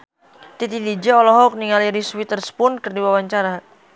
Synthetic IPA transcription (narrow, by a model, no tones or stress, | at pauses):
t̪it̪id̪id͡ʒɛɔlɔɦɔk̚niŋaliɾiswit̪ərspʊnkərdiwawaɲt͡ʃaɾa